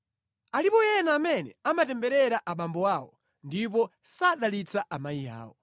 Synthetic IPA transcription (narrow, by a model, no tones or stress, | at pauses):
alipɔjɛnaːmɛnɛ̰amatɛmbɛɾɛɾaʔaɓambɔwaːwɔ̰ | ndip̬ɔsaɗalit͡saʔamaija̰ːwɔ̰